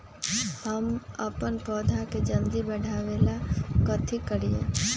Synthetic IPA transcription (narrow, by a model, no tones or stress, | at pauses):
həməpənpɔːd̪ʱaked͡ʒə̃nd̪ibəɽʱaːʋeːlakət̪ʰikəɾiḛ̃